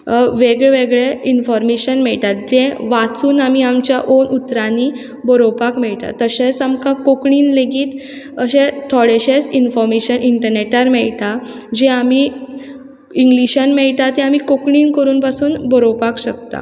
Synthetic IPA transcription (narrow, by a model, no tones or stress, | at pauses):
ʋeɡɭeʋeɡɭeinfɔɾmeɕənmɛɭʈ̪at̪̚d͡ʑẽʋat͡suːnamiamt͡ɕjaʔonut̪ɾani | bəɾopakmɛɭʈ̪a̰t̪əɕesamkakokɳiːnleɡiːt̪ | əɕẽt̪ʰɔɽeɕesinfɔɾmeɕənʔiɳʈəɾneʈaɾmɛɭt̪a | d͡ʑɛ̃ami | iŋɡliɕənmɛɭʈ̪at̪ɛ̃amikokɳiːnkəɾuːnpasuːnbɔɾopakɕəkt̪a̰